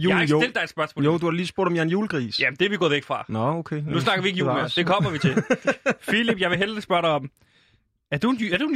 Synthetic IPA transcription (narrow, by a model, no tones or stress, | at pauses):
juoeld̥ɑ̈ɪd̥sb̥ɶɐsmɔ̽joʊ̰d̥uhɑ̈liːsb̥o̝ɐ̰ɾ̥ɒ̽jæɐnjuːlɡ̥ʁḭːsjæmnd̥eæɐʋiɡ̥ɔ̽ːðˠeɡ̥fʁɑ̈nɔokʰenusnɑ̈ɡ̥ɐʋie̝ɡ̥əjṵəsd̥ekʰɒ̽mm̰ɐʋit͡sʰe̝lfilib̥jɑ̈ɪʋeɦelɐ̥isb̥ɶɐɾɑɪɒ̽m | æɐd̥unæɐd̥eun